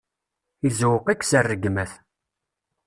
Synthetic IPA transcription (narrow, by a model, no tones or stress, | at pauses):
izwəqakːsərːəɡmæθ